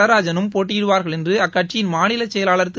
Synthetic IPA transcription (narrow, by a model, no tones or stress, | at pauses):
ɐɾaːd͡ʒɐnɯmpoːʈːijɪɽɯʋaːɾɣɐɭɛndrɯɐkːɐʈt͡ʃːɪjɪnmaːnɪlɐt͡ʃːɛjɐlaːɭɐɾt̪ːɯ